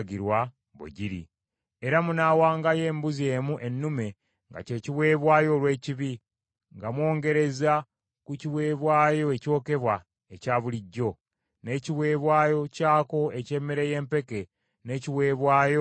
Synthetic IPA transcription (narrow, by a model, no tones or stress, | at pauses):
ɡiɾwa | βo̰ɟiɾḭ | eɾamunaːwaːŋɡaje̞ːmbuze̞ːmuʔe̞nːume̞ | ŋɡa̰ce̞ːciβwe̞ːβwaːjo̞lwe̞ːciβi | ŋɡamwo̞ːŋɡe̞ɾe̞za | kuciwe̞ːβwaːjo̞e̞co̞ːke̞βwa | ecaːβuliɟːo̞ | ne̞ːciβwe̞ːβwaːjo̞caːko̞e̞ce̞ːmeɾeje̞ːmpe̞ke̞ | ne̞ːciβwe̞ːβwaːjo